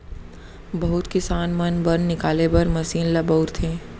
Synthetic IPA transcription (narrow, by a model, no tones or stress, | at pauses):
bɐɦʊt̪kɪsaːnmɐnbɐnːɪkaːlebɐɾmɐsiːnlɐbəʊɾt̪ʰẽː